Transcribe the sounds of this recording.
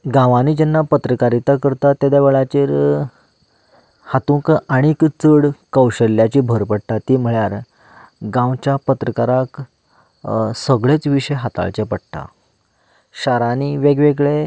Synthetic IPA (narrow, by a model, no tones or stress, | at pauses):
ɡãʋaniːd͡ʑɛnːapət̪ɾəkaɾit̪akəɾt̪at̪ːed̪aʋeɭat͡ɕiːɾ | hat̪ũkaɽ̃ikt͡səɽkəwɕəlːjat͡ɕiːbʱəɾpəɽt̪at̪iːm̤əɭjaɾ | ɡãwt͡ɕjapət̪ɾəkaɾak | səɡɭet͡sʋiɕəjɦat̪a̰ɭt͡ɕepəɽt̪a̰ | ɕaɾaniʋeɡʋeɡɭe